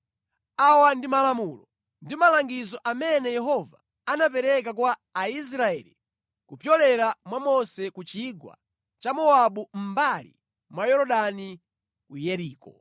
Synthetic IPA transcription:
awandimalamulɔ | ndimalaŋɡizɔʔamɛnɛjɛɦɔva | anap̬ɛɾɛk̬akwaːis̬ɾaɛ̰li | kupjɔlɛɾamwamɔsɛkut͡ʃiɡwa̰ | t͡ʃamɔaɓum̩balḭ | mwajɔɾɔɗani | kujɛɾiːkɔ

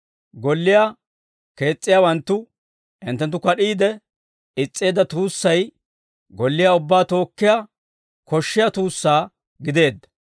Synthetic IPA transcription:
ɡɔlːɪja | ke̞ːt͡sʼːɪjaːwɐnt̪ːʊ | ʔɪ̰nt̪ːɛnt̪ːʊkɐɗiːd̪ɛ | ɪt͡sʼːe̞ːd̪ɐt̪uːsːɐj | ɡɔlːɪjaʊbːaːt̪o̞ːkːɪja | kɔʃːɪjat̪uːsːaː | ɡɪd̪e̞ːd̪ːɐ̥

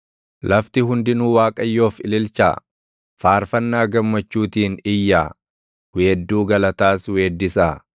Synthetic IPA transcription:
lʔɐft̪ɪɦʊnd̪ɪnuːwaːkʼɐjːo̞ːfɪlɪlt͡ʃa̰ː | faːɾfɐnːaːɡɐmːɐt͡ʃːuːt̪iːnɪjːaː | weːd̪ːuːɡɐlɐt̪aːswe̞ːd̪ːɪsaː

